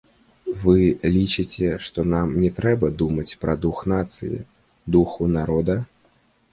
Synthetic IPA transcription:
vɨlʲit͡ʂɨt͡sʲɛʂt̪ɔnamnʲɛt̪ɾɛbɐd̪umɐt͡sʲpɾɐd̪uxnat̪sɨ̰jḭ | d̪uxunaɾɔd̪ɐ

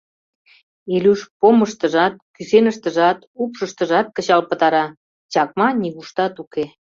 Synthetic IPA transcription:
elyʃpoməʃt̪ə̆ʒɑt̪̚kysenəʃt̪ə̆ʒɑt̪upʃəʃt̪əʒɑt̪̚kət͡ɕɑlpə̆t̪ɑɾɑ | t͡ɕɑk̚mɑniɣuʃt̪ɑt̪uke

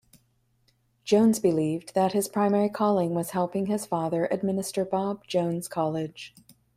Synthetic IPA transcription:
d̥ʒ̥õʊ̃nzbɨlivðɨt̚hɨz̥pʰɹ̥ãɪ̃mɛɹikʰɔlˠɪ̃ŋwʌz̥hɛlˠpɪ̃ŋɨz̥fɑðə˞ʔɨd̚mɪnɨstə˞bɑb̚d͡ʒõʊ̃nz̥kʰɑlˠɪd̥ʒ̥

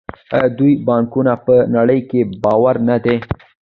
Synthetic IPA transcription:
d̪ujbɑŋkunapənaɽəjkebɑwaɾnad̪e

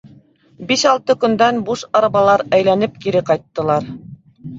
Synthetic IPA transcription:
biʃɑlˠt̪ɤkɵ̆nd̪ænbuʃɑɾɑβɑlˠɑɾæjlænɘp̚kiɾɘqɑjt̪ːɤ̆lˠɑɾ

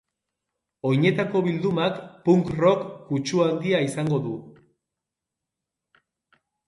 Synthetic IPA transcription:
o̞jɲe̞t̪ako̞βild̪umakpuŋkro̞kːut͡ʃuand̪iaisaŋɡo̞ðu

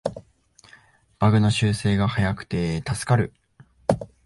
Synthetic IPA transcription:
b̥aɡɯ̟noɕɨːse̞ːɡahajakɯ̟̥t̪e̞t̪asɨ̥kaɾɯ̟

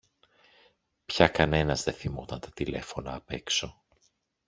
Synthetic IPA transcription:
pçɐkɐne̞nɐzðeθimo̞t̪ɐnt̪ɐ̥t̪ile̞̰fo̞nɐːpe̞kso̞

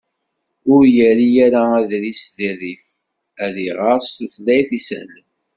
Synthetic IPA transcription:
ʊɾjəɾijæɾaæðɾisðirːif | æðiʁɑɾst̪uθlæjθisə̰l

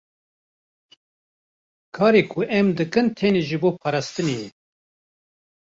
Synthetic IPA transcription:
kʰɑːɾeːkʰʊʔɛmd̪ɨkɨnt̪ʰeːneːʒɨboːpʰɑːɾɑːst̪ɨnejɛ

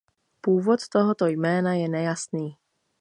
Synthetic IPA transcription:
puːvo̞t̪t̪o̞ɦot̪o̞jmɛːnajɛnɛjasniː

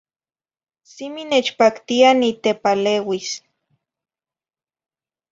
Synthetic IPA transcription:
siminet͡ʃpakt̪ianit̪epaleːwis

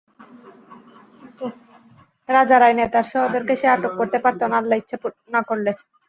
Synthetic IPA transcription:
ɾad͡ʑaɾajnet̪aɾʃɔɦod̪eɾkeʃeaʈokːoɾt̪epaɾt̪onaɾlajt̪ːɕʰepo | nakoɾle

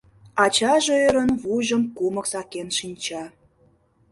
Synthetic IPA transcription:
ɑt͡ɕɑʒøəɾə̆nβuʒə̆mkumə̆ksɑkenʃinʲt͡ɕɑ

